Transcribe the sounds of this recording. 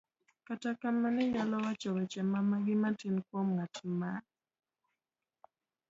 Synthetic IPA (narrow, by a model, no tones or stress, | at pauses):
katakamanɛjalɔwat͡ʃɔwɛt͡ʃɛmamaɡɪmatinkwɔmŋatma